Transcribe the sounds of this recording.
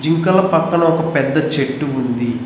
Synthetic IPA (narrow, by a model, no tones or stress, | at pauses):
d͡ʒiŋkɐlɐpɐkːɐɳɐɔkɐpɛd̪ːɐt͡ʃeʈːuund̪i